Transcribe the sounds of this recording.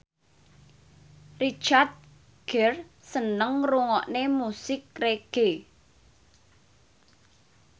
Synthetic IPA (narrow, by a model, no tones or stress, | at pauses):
rit͡ʃard̪̚ | ɡ̥ɛr | sənəŋruŋɔʔnemusɪk̚reɡ̥e